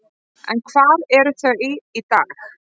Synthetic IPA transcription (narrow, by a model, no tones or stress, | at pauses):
ʔɛ̰nkʰvaːɾɛɾʏθœɥɪit̪aːx